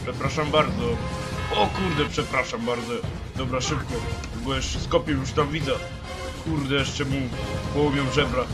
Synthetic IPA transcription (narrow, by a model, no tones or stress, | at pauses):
pʂɛpɾaʃambaɾd̪zɔɔkuɾd̪ɛpʂɛpɾaʃambaɾd̪zɔ | d̪ɔbɾaʂɘp̚kɔ | uɡuɛʃskɔpʲijuʂt̪ãmvʲid̪za | kuɾd̪ɛjɛʂt͡ʃɛmupɔwɔmjɛ̃ʐɛbɾa